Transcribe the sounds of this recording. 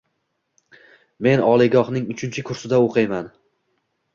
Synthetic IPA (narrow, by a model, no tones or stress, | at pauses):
me̞nɒlˠɪɡɒhnɪŋʊt͡ʃʰɪnt͡ʃʰɪkʰʊɾsɪd̪aoqʰɨjman